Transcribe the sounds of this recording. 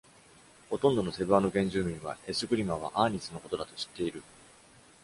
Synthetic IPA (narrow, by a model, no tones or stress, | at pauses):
ho̞t̪õ̞nd̪o̞no̞se̞bɯ̟ano̞ɡẽ̞ɲ̟d͡ʑɨːmʲĩɰ̃βa̰e̞sɨɡɯ̟ɾʲimaβ̞a̰ʔaːɲ̟isɨno̞ko̞t̪o̞d̪at̪o̞ɕi̥t̪ːe̞iɾɯ̟